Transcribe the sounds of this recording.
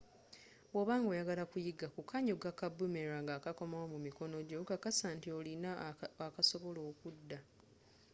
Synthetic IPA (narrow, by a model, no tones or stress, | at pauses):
wwoβaːŋɡo̞ːjaɡalakujiɡakukʰaɲoɡakabume̞ɾaŋɡaːkako̞mawomumiko̞no̞ɟo̞kakasaːntiolinaakaso̞βo̞lo̞ːkudːa